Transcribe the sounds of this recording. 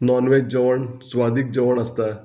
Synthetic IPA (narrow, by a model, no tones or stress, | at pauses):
nɔːnʋed͡ʒəʋəɳsʋad̪ik̚d͡ʒəʋəɳ̃əst̪a